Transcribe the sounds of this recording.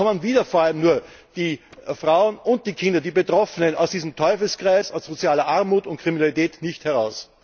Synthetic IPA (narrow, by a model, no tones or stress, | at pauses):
ɔmənviːdɐfoɐaləmnuːɐd̥iːfʁaʊənʊnt̚d̥iːkʰɪndɐdiːbetʁ̥ɔfənəna̰ʊsd̥iːzəm̩tʰɔʏfl̩skʁ̥aɪsasz̥ot͡sjaːlɐʔaɐmuːtʊnt̚kʁ̥iminalitɛːtnɪçthɛɐʁaʊs